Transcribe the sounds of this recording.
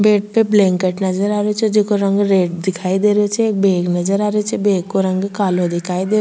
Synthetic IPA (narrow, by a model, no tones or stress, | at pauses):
beːʈ̚peblɛ̃ːŋkeʈnɐd͡ʒəɾaːɾet͡ʃʰɛd͡ʒekoɾɐ̃ŋɡɾeːʈd̪ɪkʰaːid̪eːɾt͡ʃʰɛeːk̚beːɡnɐd͡ʒəɾaːɾet͡ʃʰɛbeːkkːoɾɐ̃ŋɡkaːlod̪ɪkʰaːid̪eː